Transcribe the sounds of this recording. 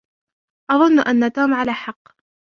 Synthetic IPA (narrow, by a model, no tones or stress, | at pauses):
ʔɑðˤʊnːʔanːat̪uːmʕalaːħɑqː